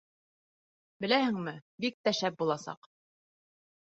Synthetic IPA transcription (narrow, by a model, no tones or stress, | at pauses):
bɘ̆læhɘ̆ŋmɘbik̚t̪æʃæp̚bulˠɑsɑ̰q